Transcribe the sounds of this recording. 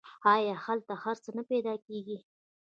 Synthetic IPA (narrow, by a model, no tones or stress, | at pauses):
ɑjɑhalt̪ahaɾt͡sənaped̪ɑkeɡi